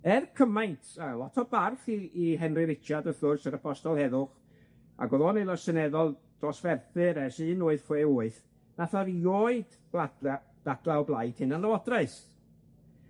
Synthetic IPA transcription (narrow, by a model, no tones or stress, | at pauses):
ɛrkʰəmajntʰalˠɔtʰɔbarθiːɦɛnrɨɾɪt͡ʃʰjadəθlʊrsəɾəpʰɔstɔlˠhɛðʊχ | a̰ɡɔðɔːnejlˠasənɛðɔlˠd̥rɔsvɛrθɨɾɛsɨːnoːɨð̥fweːuːɨθ | naθaɾijoːɨd̥ | b | d̥ad̥lˠaɔblˠajd̥hɨnanlˠawɔdraɨs